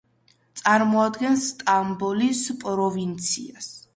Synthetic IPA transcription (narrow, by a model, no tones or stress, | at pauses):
t̪sʼaɾmɔad̪ɡɛnsːt̪ʼambɔlispʼɾɔvint̪sʰḭas